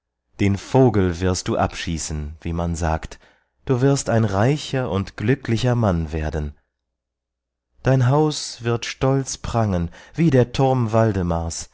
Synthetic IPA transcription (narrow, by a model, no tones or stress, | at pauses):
d̥eːnfoːɡl̩vɪɐst̚d̥uːʔapʃiːsn̩viːmanza̰ːkt | d̥uːvɪɐstaɪnʁaɪçɐʔʊntɡ̥lʏklɪçɐmanveːɐdn̩ | d̥aɪnɦaʊsv̥ɪɐtʃtɔlt͡spʁ̥aŋənviːdeːɐtʰʊɐmvaldəmaɐs